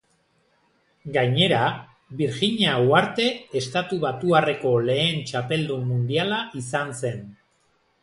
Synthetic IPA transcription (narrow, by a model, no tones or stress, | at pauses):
ɡajɲe̞ɾa | βiɾʝiɲawaɾt̪e̞ːst̪at̪uβat̪uare̞ko̞le̞ːnt͡ʃape̞ld̪umːund̪ialaʔisanse̞n